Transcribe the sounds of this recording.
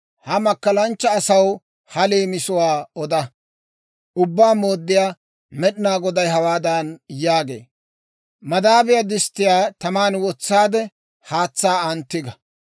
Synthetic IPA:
hɐmɐkːɐlɐnt͡ʃːɐːsɐw | hɐleːmɪsʊwaːɔd̪ɐ | ʔʊbːaːmoːd̪ːɪjaː | mɛɗɪnaːɡɔd̪ɐjɦɐwaːd̪ɐnjaːɡe̞̰ː | mɐd̪aːbɪjɐd̪ɪst̪ːɪjaːt̪ɐmaːnwɔt͡sːaːd̪ɛ | haːt͡sːaːɐnt̪ːɪɡɐ

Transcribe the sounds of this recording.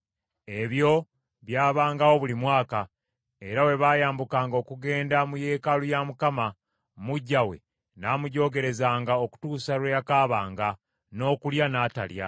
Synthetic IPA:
e̞βjo̞ | βjaːβaːŋɡawo̞βulimwaːka | e̞ɾawe̞βaːjaːmbukaːŋɡo̞ːkuɡe̞ːndamuje̞ːkalujamukama | muɟːawe̞̰ | naːmuɟo̞ːɡe̞ɾe̞zaːŋɡao̞ku̥tuːsaɾwejakaːβaːŋɡa | no̞ːkuljanaːta̰lja̰

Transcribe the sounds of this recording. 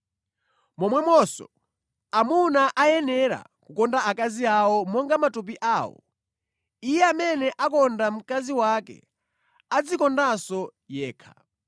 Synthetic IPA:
mɔmwɛmɔsɔ̰ | amunaʔajɛnɛɾa̰kukɔndaakaziawɔmɔŋɡamatup̬iʔaːwɔ̰ | ijɛamɛnɛʔakɔndam̩kaziwakɛ̰ | ad͡zikɔndasɔjɛːkʰḁ

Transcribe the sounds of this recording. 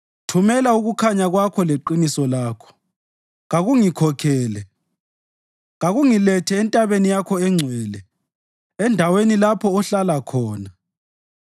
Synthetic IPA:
tʰumɛlauɣukʰaɲaɣwakʰɔleǃinisɔlaːkʰɔ̥ | ɣaɣuŋikʰɔkʰɛːlɛ | ɣaɣuŋilɛtʰɛːntʼaβenijakʰɔɛŋ͡ǀʱwɛːlɛ | ɛndʱawenilapʰɔːɬalakʰɔːna

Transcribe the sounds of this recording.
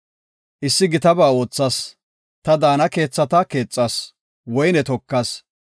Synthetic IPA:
ʔɪsːɪɡɪt̪ɐbaːo̞ːt͡sːɐs | t̪ɐd̪aːnɐke̞ːt͡sːɐt̪ɐke̞ːt͡sʼːɐs | wɔjnɛt̪ɔkːɐs

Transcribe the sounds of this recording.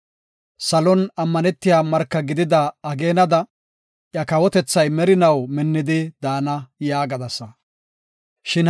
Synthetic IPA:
sɐlɔnɐmːɐnɛt̪ːɪjaːmɐɾkːɐɡɪd̪ɪd̪ɐːɡe̞ːnɐd̪ɐ | ʔjɐkɐwɔt̪ɛt͡sːɐjmɛɾɪnɐwmɪnːɪd̪ɪd̪aːnɐjaːɡɐd̪ɐsːɐ | ʃɪn

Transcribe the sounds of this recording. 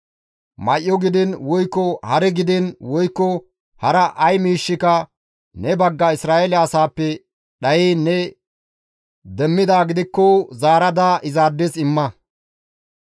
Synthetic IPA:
mɐʔːɔɡɪd̪ɪnwɔjkːɔhɐɾɛɡɪd̪ɪnwɔjkːɔ | hɐɾɐʔɐjmiːʃːɪkɐ | nɛbɐɡːɐɪsɾaːʔɛlɛɐsaːpːɛ | ɗɐjiːnɛ | d̪ɛmːɪd̪aːɡɪd̪ɪkːɔzaːɾɐd̪aʔɪzaːd̪ːɛsɪmːɐ

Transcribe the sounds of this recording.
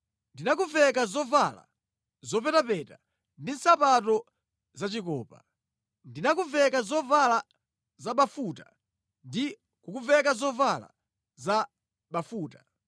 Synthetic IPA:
ndinak̬uvɛkazɔvala̰ | zɔpɛtapɛta | ndin̩sapatɔ | zat͡ʃikɔ̰ːpa̰ | ndinakuvɛkazɔvala | zaɓafuta | ndi | kukuvɛkazɔvala̰ | za | ɓafuːtḁ

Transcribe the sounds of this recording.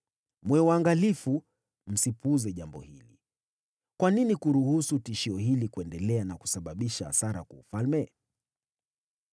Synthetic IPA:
mwɛwaŋɡalifu | m̩sipuzɛʄambɔ̰hilḭ | kwaninikuɾuhusutiʃiɔhilikuɛndɛlɛanaku̥saɓaɓiʃaa̰saɾa̰kwaufalmɛ

